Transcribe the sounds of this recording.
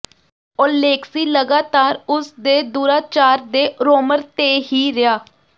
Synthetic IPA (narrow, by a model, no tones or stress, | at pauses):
ɔːɾleːksiːləɡaːt̪aːɾʊsd̪eːd̪uːɾaːt͡ʃaːɾd̪eːɾoːməɾt̪eːɦiːɾɪjaː